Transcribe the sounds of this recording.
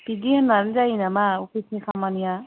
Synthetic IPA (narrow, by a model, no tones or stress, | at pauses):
pidihananzainamaukʰitnikʰamanija